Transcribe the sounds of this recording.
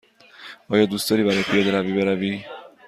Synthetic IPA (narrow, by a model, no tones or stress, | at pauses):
ɒːjɒːd̪uːst̪ɒːɾiːbæɾɒːjepʰijɒːd̪eɾæviːbeɾæviː